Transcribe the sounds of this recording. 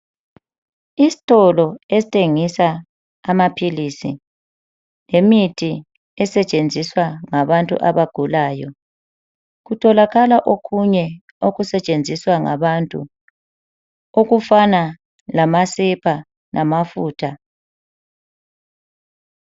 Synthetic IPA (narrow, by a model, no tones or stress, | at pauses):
isi̥tʼɔlɔesi̥tʰeŋisaː | mapʰilisḭ | lemitʰi | ɛsɛt͡ʃʼend͡zʱiswaŋaβantʼṵʔa̰βaɡ̥ʱulaːjɔ̰ | ɣutʰɔlaɣalaʔokʰuɲɛ | oɣusɛt͡ʃʼend͡zʱiswaŋa̰βantʼṵ | oɣufana | lamasɛpʰa | nʔamafuːtʰa